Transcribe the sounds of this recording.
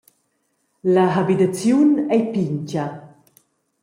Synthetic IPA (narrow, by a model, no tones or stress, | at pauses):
laɦabitat͡sjunɛjpiɲt͡ʃɐ